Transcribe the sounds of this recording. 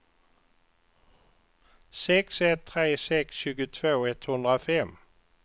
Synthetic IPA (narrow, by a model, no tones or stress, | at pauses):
sɛksɛt̪ʰːɾeːsɛksɕʉ̟ːɡət̪ʰvoːɛt̪hɵnd̪ʁɾafɛm